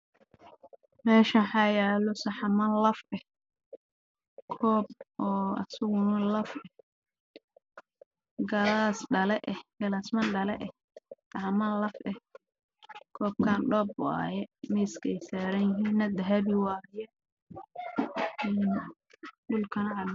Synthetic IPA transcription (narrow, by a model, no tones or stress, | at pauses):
mɛːʃɐħɑjɛːlɔsɐħɑmɐnlɐfɛh | kʰɔːb̚ʔɔːɐ̰sʊɣʊnɐlɐfɛ | ɡɐlaːsɖɐlɛʔɛhɡɐlasmɐnɖɐlɛʔɛ | sɐħɑmɐnlɐfɛh | kʰɔːb̚kʰaːnɖɔːbʊ̰a̰ːjɛmɛjskʰɛjsaːɾɐnjɪɦiːnːɐd̪ɐɦɐbɪwɑːjɛ | ɛn | ɖʊlkʰɐnɐʕɑ